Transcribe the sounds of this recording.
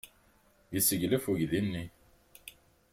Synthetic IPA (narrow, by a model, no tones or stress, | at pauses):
jəsəʝləfuʝðinːi